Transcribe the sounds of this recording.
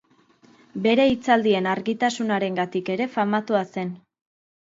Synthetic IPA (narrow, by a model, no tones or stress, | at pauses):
be̞ɾe̞it͡sald̪ie̞naɾɣit̪asunaɾe̞ŋɡat̪ike̞ɾe̞famat̪uase̞n